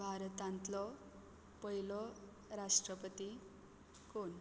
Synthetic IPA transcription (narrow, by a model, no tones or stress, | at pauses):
bʱaɾət̪ãnt̪lɔ | pəɦilɔ | ɾaʂʈɾəpət̪i | kon